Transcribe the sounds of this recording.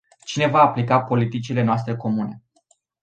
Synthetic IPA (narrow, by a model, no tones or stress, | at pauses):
t͡ʃine̞vaːplikapo̞lit̪it͡ʃile̞noas̬t̪ɾe̞ko̞mune̞